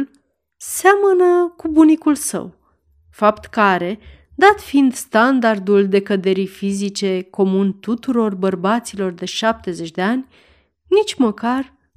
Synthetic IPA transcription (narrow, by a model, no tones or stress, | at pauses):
l | seamənəkubunikulsə̰w | fapt̪kaɾe̞ | d̪at̪find̪st̪and̪ard̪uld̪e̞kəd̪e̞ɾijfizit͡ʃe̞ko̞munt̪ut̪uɾo̞rbərbat̪silo̞rd̪e̞ʃap̚t̪e̞ze̞t͡ʃʲd̪e̞anʲ | nit͡ʃʲməkar